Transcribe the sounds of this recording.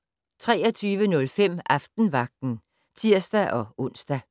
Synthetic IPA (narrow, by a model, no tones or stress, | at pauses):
t͡sʰʁɛ̰ːɐt͡sʰyːʋənɔ̽lfem̰ɑfd̥n̩ʋɑ̈ɡ̥̚d̥n̩ | t͡sʰiɐ̰sd̥æʔɒ̽ʔɔ̽n̰sd̥æ